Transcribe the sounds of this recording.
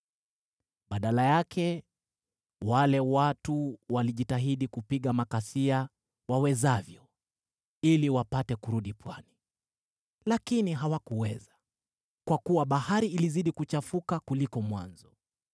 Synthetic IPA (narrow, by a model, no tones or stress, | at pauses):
ɓaɗalajakʰɛ | walɛwatuwaliʄitaɦiɗikupiɠamakasia | wawɛzavjɔ | iliwapatɛkuɾuɗipwani | lakiniɦawakuwɛza | kwakuwaɓahaɾiːliziɗikut͡ʃafukakulikɔmwa̰nzɔ